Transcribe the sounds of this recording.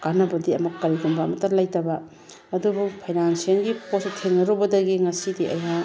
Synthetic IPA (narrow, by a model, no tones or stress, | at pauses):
kanɐbɐdiɐmɐkːɐɾiɡumbɐːmɐtɐɾlajtɐbɐ | ɐdubukpʰajdanseŋɡipostʰeŋnɐɾɔbɐdɐɡiŋɐsidiʔɐ̰ja